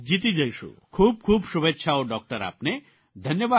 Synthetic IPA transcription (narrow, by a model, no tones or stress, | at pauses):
d͡ʒit̪id͡ʒajʃṵkʰuːb̚kʰuːbsubetːʃʰaoɖɔk̚ʈəɾa̰ːpne | d̪ʱənjəba